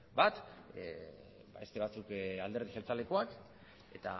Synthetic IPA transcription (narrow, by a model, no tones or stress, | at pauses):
bat̪ | baest̪e̞β̞at͡sukald̪e̞ɾðixelt͡sale̞koak | e̞t̪a̰